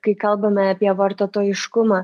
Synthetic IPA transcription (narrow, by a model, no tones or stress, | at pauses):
kɐɪkɐlˠbɐmʲɛɑpʲiɛʋɐɾt̪oːt̪oːjɪʃkʊmɑ